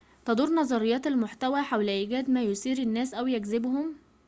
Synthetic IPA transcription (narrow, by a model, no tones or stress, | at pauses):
t̪ɑd̪uːɾˤnɑzˤɑɾejːɑːt̪ælmoħt̪æwæːħawlʔiːɡæːd̪mæːjosiːɾænːæːsʔæwjæɡzɪbhʊm